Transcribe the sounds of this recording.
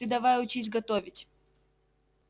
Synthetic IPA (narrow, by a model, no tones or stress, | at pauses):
ɨd̪ɐvajʊt͡ɕisʲɡɐt̪ovʲɪtʲ